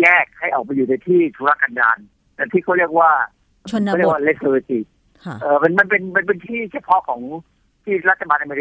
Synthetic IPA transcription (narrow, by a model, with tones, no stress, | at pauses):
jɛː˥˩k̚ha˥˩jʔɔː˨˩k̚pa˧jːuː˨˩na˧jt̪ʰiː˥˩t̪ʰuː˧ɾa˦˥˩kːa˧nda̰ː˧n | lɛ˦˧˩t̪ʰiː˥˩kʰa˥˩wɾi˥˩ək̚waː˥˩˥ | ɾi˥˩kwa˥˨le˦˥so˧le˧˩t̪i˨˩ | ʔɤː˨˩ma˧nma˧npe˧nma˧np̬e˧nt̪ʰiː˥˩t͡ɕʰa˥˩pʰɔ˦˥kʰɔː˩˦ŋ | t̪ʰiː˥˩ɾa˦˥t̪̚ʰːa˧baː˧nʔa˧meː˧ɾi˦